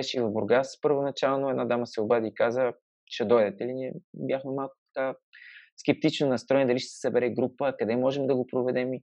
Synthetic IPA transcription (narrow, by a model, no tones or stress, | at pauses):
ɛʃivɐvboɾɡaspəɾvʊnɐt͡ʃalˠnʊɛd̪nad̪aməsɛʊbad̪ikazə | ʃɛd̪ɔjd̪ɛt̪ɛliniɛbʲjaxmɛmalˠkʊ̥t̪ɐ̥kaskɛp̚t̪it͡ʃnonɐst̪ɾɔjnɛd̪ɐliʃt̪ɛ̥səbɛɾɛɡɾupəkɐd̪ɛmɔʒɛmd̪ɐɡopɾovɛd̪ɛmi